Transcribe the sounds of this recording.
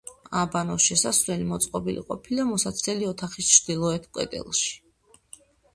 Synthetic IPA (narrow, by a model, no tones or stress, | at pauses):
abanɔʃɛsasvlɛlimɔt̪sʼqʼɔbilḭqʼɔpʰilamɔsat̪sʰlɛliɔt̪ʰaχist͡ʃʰɾd̪̥ilˠɔɛt̪ʰkʼwɛ̰d̪ʼɛ̰lˠʃi̥